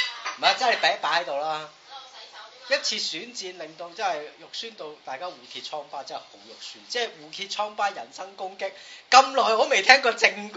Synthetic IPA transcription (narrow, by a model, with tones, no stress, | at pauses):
a˨˧t͡sɐ˥nhɐ˨˩pɛː˨˥ŋpaː˨˥hɐ˨˥jt̪o˨wlaː˦˥ | jɐ˥t̚t͡sʰiː˧syː˨˥nt͡siː˧nlɪ˨ŋt̪o˧wt͡sɐ˥nhɐ˨jjʊ˨k̚syː˥nt̪o˧wt̪aː˨jkaː˥wuː˨k̪ʰiː˧t̚t͡ʃʰɔː˥ŋpaː˥t͡sɐ˥ɐ˨˩ho˨˥wjʊ˨k̚syː˥nt͡sɛː˥˩wuː˨˩k̪ʰiː˧t̚t͡ʃʰɔː˥ŋpaː˥jɐ˨˩nsɐ˥ŋkʊ˥ŋkɪ˥k̚ːɐ˥mlɔː˨jɔː˨˧me˨jt̪ʰɛː˥ŋkɔː˧t͡sɪ˧ŋk